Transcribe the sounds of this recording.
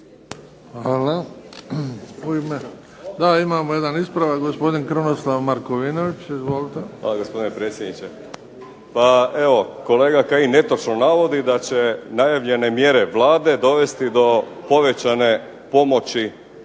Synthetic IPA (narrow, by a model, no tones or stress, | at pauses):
hʋaːla | uime | d̪aimaːmoje̞d̪anispɾaʋaɡospo̞d̪inkɾonoslˠaʋmaɾkoʋino̞ʋit͡ʃizʋolit̪eʋa̰ːlaɡo̞spo̞d̪inepɾet̪sʲjed̪nit͡ɕe | pae̞ʋo̞ko̞le̞ːɡakaine̞t̪o̞t͡ʃnonaʋo̞d̪id̪at͡ɕe̞najaʋʎe̞ne̞mje̞ɾe̞ʋlˠaːd̪e̞d̪o̞ʋe̞st̪id̪o̞po̞ʋe̞t͡ɕane̞ | po̞mo̞t͡ɕi